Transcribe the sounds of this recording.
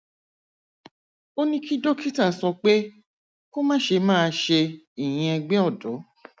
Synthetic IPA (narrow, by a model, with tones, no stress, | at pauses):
o˦nĩ˦ki˦do˦ki˦ta˦˨sɔ˧k͡pe˦ | ko˦mãː˦ʃe˧mãː˦˧ʃe˧ | i˨j̃ĩ˧ɛ˧ɡ͡bɛ̃˦ɔ˦˨dɔ˨˦